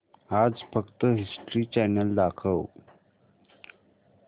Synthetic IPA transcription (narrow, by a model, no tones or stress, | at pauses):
ad͡zfəkt̪əɦisʈɾiːt͡ɕɛnəld̪akʰəw